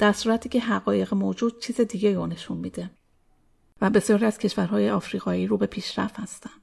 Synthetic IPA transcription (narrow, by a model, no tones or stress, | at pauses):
d̪̥æɾsuːɾæt̪ʰiːcʲʰe̞ɦæɣɒːje̞ɣemoːd͡ʒuːd̪̥̚t͡ʃʰiːzed̪iːɡe̞jɾone̞ʃunmiːd̪e | væbe̞sjɒːɾiæz̥cʰe̞ʃvæɾɦɒːje̞ɒːfɾiːɣɒːiːɾuːbe̞pʰiːʃɾæft̪hæst̪ænd̪̥